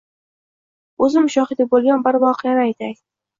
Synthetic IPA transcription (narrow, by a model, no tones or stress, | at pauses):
ɵzɪmʃɒχɪd̪ɪbolˠɡʲanbaɾvɒqʰɨjanɪajt̪ʰak̪ʲ